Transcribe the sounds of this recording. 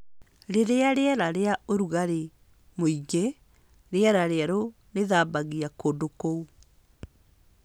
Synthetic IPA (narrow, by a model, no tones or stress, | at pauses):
ɾeɾeaɾeɛɾaɾeaoɾuɣaɾe | moiɡe | ɾeɛɾaɾeaɾo | neðabaɣiakondokou